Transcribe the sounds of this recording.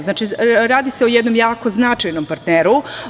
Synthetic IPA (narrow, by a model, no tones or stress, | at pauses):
znaːt͡ʃiɾaːd̪iseojed̪no̞mjaːko̞znat͡ʂajnompaɾt̪neːɾu